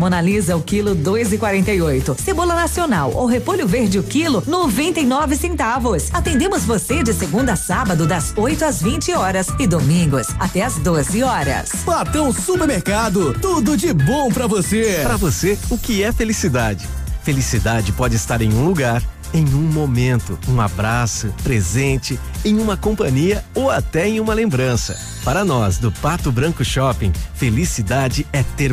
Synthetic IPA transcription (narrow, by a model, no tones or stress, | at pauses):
monalizɐʊkilʊd̪ojzɪkwaɾẽnt̪ɐjojt̪ʊsebolɐnasionawo̰wɦepoʎʊveɾd͡ʒɪʊkilʊnovẽnt̪ejnɔvɪsẽnt̪avʊsat̪ẽnd̪ẽmʊzvosed͡ʒɪseɡũnd̪ɐsabɐd̪ʊd̪ɐzojt̪ʊazvĩnt͡ʃɪɔɾɐzɪd̪omĩŋɡʊsat̪ɛɐzd̪ozɪɔɾɐ̰splat̪ɐ̃w̃supeɾmeɾkad̪ʊt̪ud̪ʊd͡ʒɪbõw̃pɾɐvosepɾɐvoseʊkɪɛfelisid̪ad͡ʒɪfelisid̪ad͡ʒɪpɔd͡ʒɪst̪aɾẽj̃ũluɡaɾ | ẽj̃ũmomẽnt̪ʊũabɾasʊpɾezẽnt͡ʃɪ | ẽj̃ũmɐkõpɐ̃ɲiɐowat̪ɛẽj̃ũmɐlẽmbɾɐ̃sɐ̰ | paɾɐnɔsd̪ʊpat̪ʊbɾɐ̃kʊʃɔpẽj̃felisid̪ad͡ʒɪɛt̪eɾ